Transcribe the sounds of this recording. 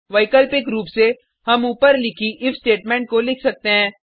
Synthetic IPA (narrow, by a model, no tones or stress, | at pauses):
ʋɐɪkəlpɪkɾuːpse | hɐmuːpəɾlɪkʰiʔɪfsʈeːʈmɛ̃ːɳʈ̚kolɪkʰsɐk̚t̪eɦɛ̃ː